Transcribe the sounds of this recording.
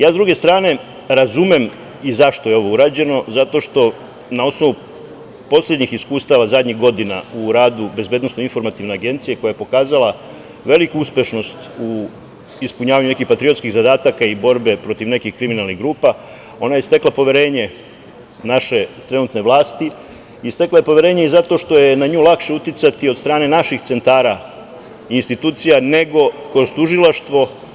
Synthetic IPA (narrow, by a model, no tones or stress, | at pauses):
jaːzd̪ɾuɡe̞st̪ɾaːne̞ | ɾazumem | izaʃt̪o̞jeo̞ʋouɾaːd͡ʑe̞no̞zat̪o̞ʃt̪o̞ | nao̞snoʋu | po̞slʎʲe̞d̪ɲixiskuːst̪aʋazad̪ɲiɣɡo̞d̪inauɾaːd̪ube̞zbed̪nosno̞info̞ɾmat̪iʋne̞aɡe̞nt̪sije̞ko̞jajepo̞kaːzala | ʋe̞likuuspʲje̞ʃno̞st̪u | ispuɲaːʋaɲune̞kixpat̪ɾiot̪skiɣzad̪aːt̪akaibo̞ɾbe̞pɾo̞t̪iʋne̞kixkɾiminalˠniɣɡɾuːpa | o̞najest̪eklapo̞ʋe̞ɾe̞ːɲe̞ | naʃe̞t̪ɾe̞nuːt̪ne̞ʋlˠaːst̪i | ist̪eklˠaje̞po̞ʋe̞ɾe̞ːɲeizat̪o̞ʃt̪o̞je̞naɲuːlakʃe̞ut̪it̪sat̪iod̪st̪ɾaːne̞naʃixt̪se̞nt̪aːɾa | inst̪it̪uːt̪sijane̞ɡo̞kɾo̞zt̪uʒilˠaʃt̪ʋo̞